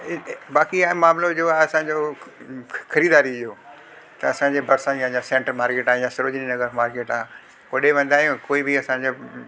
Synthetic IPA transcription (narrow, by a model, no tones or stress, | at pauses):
ɪbaːkiamaːmlod͡ʑoːaɦɐsãːɲd͡ʑo | xɐɾiːd̪aːɾiɪjoː | t̪ɐɐsãːɲd͡ʑebɐɾsãjãjasẽːɳʈəɾmaːɾkeːʈaːjasɪɾoːd͡ʑninɐɡəɾmaːɾkeːʈaː | koɗeʋɐ̃nd̪aːɦjũkoːibɪɐsãːɲd͡ʑe